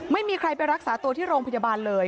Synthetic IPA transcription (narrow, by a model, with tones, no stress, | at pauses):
ma˥˩jmiː˧kʰɾa˧jpa˧jɾa˦˥k̚saː˩˦t̪u˧t̪ʰiː˥˩ɾoː˧ŋpʰa˧jaː˧baː˧nlɤː˧